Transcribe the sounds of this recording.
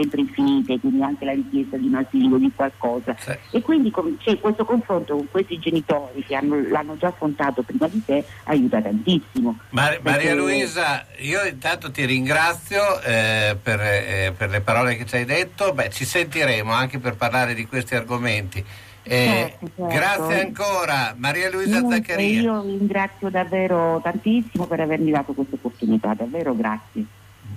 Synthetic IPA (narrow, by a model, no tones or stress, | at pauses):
sɛmpɾeiɱfiniːt̪ekwind̪iaŋkelaɾikjest̪ad̪inat̪iːlod̪ikwalkɔːzaekːwind̪ikont͡ʃɛkːwest̪okoɱfɾont̪okoŋkwest̪id͡ʒenit̪oːɾikeanːolanːod͡ʒafːont̪aːt̪opɾiːmad̪isea̰juːt̪at̪ant̪isːimomamaɾialuiːzaiːoint̪ant̪ot̪iɾiŋɡɾat̪sːjoɛperperlepaɾɔːlek̟et͡ʃajd̪et̪ːobɛt͡ʃisent̪iɾɛːmoaŋk̟eperparlaːɾed̪ikwest̪iarɡoment̪i | t͡ʃɛt̪ot͡ʃɛɡɾat̪sjeaŋkoːɾamaɾiːaluiːzad̪akːeɾiːiːoiɾiŋɡɾat̪sːjod̪avːeːɾot̪ant̪isːimopeɾavermid̪aːt̪okwest̪aopːort̪unit̪a̰d̪avːeːɾoɡɾat̪sje